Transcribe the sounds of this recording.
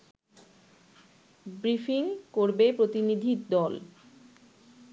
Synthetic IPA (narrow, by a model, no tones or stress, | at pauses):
bɾifiŋkoɾbepɾot̪inid̪ʱiɾd̪ɔl